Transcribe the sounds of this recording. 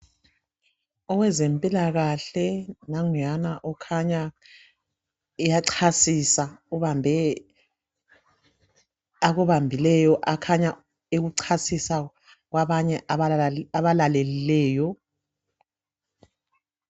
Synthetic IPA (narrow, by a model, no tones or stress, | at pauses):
ɔwɛzempʼilaɣaɬɛnaŋanaʔɔkʰaɲa | ijaǀʰasisauβambʱɛ | aɣuβambʱilɛjɔʔakʰaɲa | eɣuǀʰasisa | ɣwaβaɲɛ | aβalalɛlilɛːjɔ